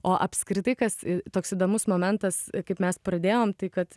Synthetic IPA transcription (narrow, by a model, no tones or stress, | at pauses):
oːʔɐpʲskɾʲɪt̪ɐɪkɐsɪt̪oːksid̪oːmʊsmoːmʲɛnt̪ɐskɐɪpmʲɛsprɐd̪ʲeːjoːmt̪ɐɪkɐt̪